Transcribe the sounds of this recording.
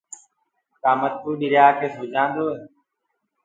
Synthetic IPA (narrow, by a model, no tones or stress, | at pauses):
k̪aːmət̪̚kuːɗɪɾjaːkeːsoːd͡ʒãːnd̪oːɦeː